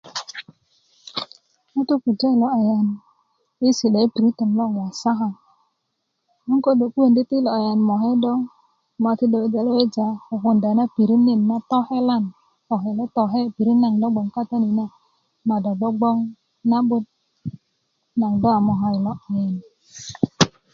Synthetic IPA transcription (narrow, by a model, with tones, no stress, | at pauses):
u˦tu˦ku˨ta˦i˨lɔ˨˦a˨ja˨n | i˦si˨ɗa˨i˦pi˨ɾi˦tə˨mlo˦˨ja˨sa˦ɦa˨ | mu˦ŋko˦do˨ku˦e˦˨ndi˦ti˦lo˨a˨ja˨nmo˨ɦe˦dɔ˦ŋ | ma˨ti˦do˨e˨˦d͡ʒa˨lo˦we˦d͡ʒa˨o˨ku˨nda˨˦na˦pi˨ɾi˦ni˦˨nːa˦tɔ˦he˦la˦n | ɔ˨ɦe˨le˦tɔ˨ɦe˦˨pi˨ɾi˦na˨ŋdɔ˦ɡ͡bɔ˨ŋka˦ta˦ni˨na˦ | ma˨dɔ˨dɔ˦ɡ͡bɔ˦ŋ | na˦ɓu˦t̚ | na˨ŋdɔ˦a˨mɔ˨ɦa˨i˨lɔ˦ʔa˨ja˨n